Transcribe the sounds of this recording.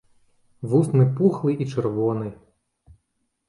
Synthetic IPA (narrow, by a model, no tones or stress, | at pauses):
ʋusnɪpuxlˠɪʔit͡ʃerʋɔnɪ